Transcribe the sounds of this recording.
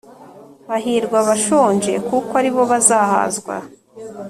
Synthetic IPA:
βaɦiːɾɡwaβaʃoːɲd͡ʒe̞kukaɾiβo̞βazaha̰ːzɡwa̰

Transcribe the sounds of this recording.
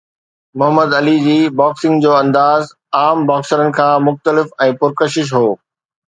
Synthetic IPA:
mʊɦəmːəd̪ɐlid͡ʑiːbaːksɪ̃ŋɡd͡ʑoːɐ̃nd̪aːz | aːmbaːksəɾənɪ̆kʰãːmʊxt̪əlɪfɛ̃ːpʊɾkəʃ̬ɪʃ̬ɦoː

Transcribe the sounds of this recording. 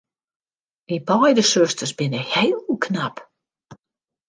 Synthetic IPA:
ibɔjdəsøstərsbɪnəheːlˠkʰnap

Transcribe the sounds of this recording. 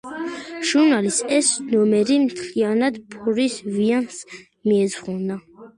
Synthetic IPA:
ʒ̥uɾnalisɛsnɔmɛɾimt̪ʰlianad̪pʰɔɾisvians | miɛzʁuna

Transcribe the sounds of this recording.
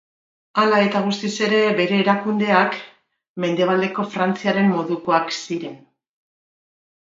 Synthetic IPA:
alae̞t̪aɣ̞ust̪ise̞ɾe̞βe̞ɾe̞ːɾakund̪e̞ak | me̞nd̪e̞β̞ald̪e̞ko̞fɾant͡siaɾe̞mmo̞ðuko̞aksiɾe̞n

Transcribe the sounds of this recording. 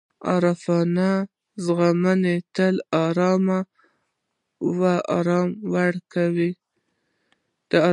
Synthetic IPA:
ɑ̰ɾafɑna | zɣamanet̪əlɑɾɑma | waɑ̰ɾɑmwaɽkawi | d̪̥əɑ

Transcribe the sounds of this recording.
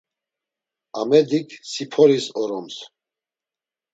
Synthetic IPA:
amɛd̪ikʰsipʰɔɾisɔɾɔms

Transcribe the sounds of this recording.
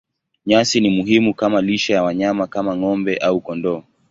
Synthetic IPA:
ɲasinimuɦimukamaliʃajawaɲamakamaŋɔmbɛʔaukɔndɔː

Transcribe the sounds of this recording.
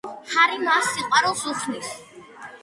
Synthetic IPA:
haɾimasiqʼwaɾɔlˠsuχʰnis

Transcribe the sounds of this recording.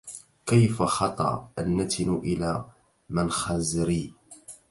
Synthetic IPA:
kajfaxɑt̪ˤɑ̰ʔa̰nːat̪ʰɪnʊʔɪlaː | mɪnxaːzɾiː

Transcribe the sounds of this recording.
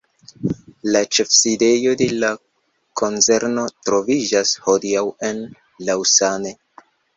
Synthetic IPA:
lat͡ʃe̞fside̞jo̞de̞la | kʰo̞nt͡se̞ɾno̞tɾo̞vid͡ʒasho̞diawe̞n | lawsane̞

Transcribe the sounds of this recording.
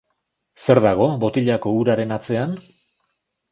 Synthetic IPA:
se̞ɾðaɣ̞o̞βo̞t̪iʎako̞uɾaɾe̞nat͡se̞an

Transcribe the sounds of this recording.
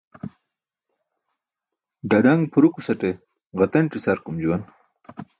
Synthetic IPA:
ɖɐɖɐŋɡpʰuɾukusɐʈe | ɣɐt̪ɐnʈ͡ʂisɐɾkumd͡ʑuwɐn

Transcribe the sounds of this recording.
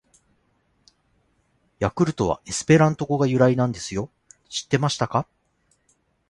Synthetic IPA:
jakɯ̟ɾɯ̟t̪o̞βa̰ʔesɨ̥pe̞ɾãnt̪o̞ɡo̞ɡajɯ̟ɾainãnd̪e̞sɨjo̞ | ɕi̥t̪ːe̞maɕi̥t̪aka

